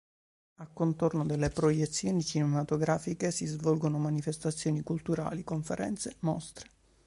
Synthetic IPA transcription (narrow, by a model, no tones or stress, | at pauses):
akːont̪ornod̪elːepɾojet̪sːjoːnit͡ʃinemat̪oɡɾaːfikesizvɔlɡonomanifest̪at̪sːjoːnikult̪uɾa̰ːlikoɱfeɾʔɛ̰nt̪semɔst̪ɾe̥